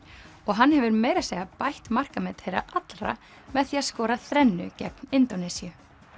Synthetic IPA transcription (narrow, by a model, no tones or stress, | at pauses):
ɔɣɦanhɛvʏɾmeːjɾaseːjɣapajht̪mar̥kamɛt̪hejɾa̰ʔat̪lra̰ | mɛðθiːaðskɔːɾaθɾɛnːʏ̰cɛ̰pnɪnt̪onɛsiʏ